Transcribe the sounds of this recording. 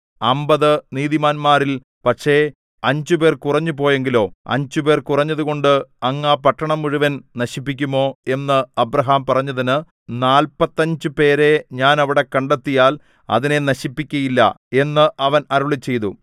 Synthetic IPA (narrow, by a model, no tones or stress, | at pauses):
ɐmbɐðɨniːðimaːnmaːɾil | pɐʈʂe̞ː | ɐɲd͡ʑupe̞ːrkurɐɲːupo̞ːje̞ŋɡilo̞ːɐ̰ɲd͡ʑupe̞ːrkurɐɲːɐðuɣo̞ɳɖɨɐŋːaːpɐʈːɐɳɐmːuɻuʋɐnnɐɕipːikʲːumo̞ːe̞nːɨɐbɾɐɦaːmpɐrɐɲːɐðinɨ | naːlpɐt̪ːɐɲd͡ʑɨpe̞ːɾe̞ɲaːnɐʋiɽe̞kɐɳɖɐt̪ːijaːl | ɐ̰ðine̞nɐɕipːikʲːɐjilːɐ̰e̞nːɨʔɐʋɐnɐɾuɭit͡ɕːe̞jt̪u